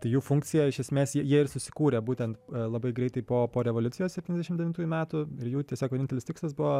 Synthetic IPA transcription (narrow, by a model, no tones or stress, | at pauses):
t̪ɐɪjuːfʊŋkt͡s̪ʲɪjɛɪʃʲɛsʲmʲeːsjiɛjiɛɪrsʊsʲɪ̥kuːɾʲebuːt̪ʲɛnt̪lˠɐbɐɪɡɾʲɛɪt̪ɐɪpoːpoːɾʲɛʋoːlʲʊtt͡s̪ʲɪjoːsʲɛp̚ʲtʲiːnʲɛzd̪ʲɛʃɪmd̪ʲɛʋʲɪnt̪uːjʊmʲæːt̪ʊɪɾjuːt̪ʲiɛsʲoːkʋʲɛnʲɪnt̪ʲɛlʲɪstʲɪkslˠɐsbʊʋo